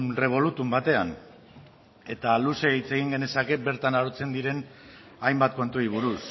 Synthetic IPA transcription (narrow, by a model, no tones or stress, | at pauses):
re̞β̞o̞lut̪umbat̪e̞an | e̞t̪aluse̞it͡se̞ɣ̞iŋɡe̞ne̞sake̞be̞ɾt̪anaɾot͡se̞nd̪iɾe̞n | ajmbat̪̚ko̞nt̪uɾiβ̞uɾus